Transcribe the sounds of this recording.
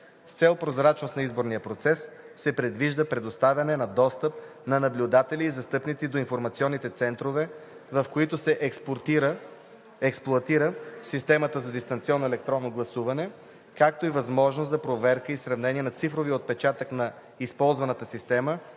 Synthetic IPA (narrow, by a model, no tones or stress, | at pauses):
st̪sɛlˠpɾozɾat͡ʃnost̪nɐizboɾnijəpɾot̪sɛsː | ɛpɾɛd̪viʒd̪əpɾɛd̪ost̪avʲɐnɛnɐd̪ɔst̪əp̚nɐnɐblʲʊd̪at̪ɛliːzɐst̪ɤpnit̪sid̪oinfoɾmɐt̪siɔnːit̪ɛt̪sɛnt̪ɾovɛ | vɐfkoit̪osɛʔ | ɛksplˠʊɐt̪iɾəsist̪ɛmət̪əzɐd̪ist̪ɐnt̪siɔnːoɛlɛk̚t̪ɾɔnːoɡlˠɐsuvɐnɛ | kak̚t̪oivɐzmɔʒnoszɐpɾovɛɾkəisɾɐvnɛniɛnɐt̪sifɾoviot̪̚pɛt͡ʃat̪əknɐ | ispɔlˠzvɐnət̪əsist̪ɛmə